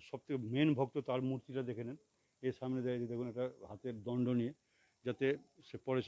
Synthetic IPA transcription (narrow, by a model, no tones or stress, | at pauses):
ʃɔb̚t̪ʰekemenbʱoɡ̚t̪ot̪aɾmuɾt̪iɾad̪ekʰenen | eʃamned̪ɛad͡ʑed̪ɛkʰunɛkʈaɦat̪eɾd̪ɔɳɖonije | d͡ʑat̪eʃepɔɾeʃ